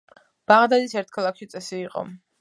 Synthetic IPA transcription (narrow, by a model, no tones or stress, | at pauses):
b̥aʁd̪ad̪isɛɾt̪ʰkʰalˠakʰʃit̪sʼɛsiːqʼɔ̰